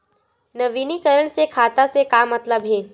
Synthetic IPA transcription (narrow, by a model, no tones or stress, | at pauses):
nəʋinikəɾəɳ̃sekʰat̪asekamət̪ləbɦeː